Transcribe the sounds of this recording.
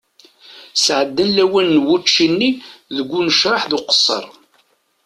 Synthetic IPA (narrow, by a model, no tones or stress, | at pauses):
sʕəd̪ːənlæwænːwut͡ʃːinːiðəɡʷːunəʃɾˤɑħðʊqə̥sˤːə̰ɾˤ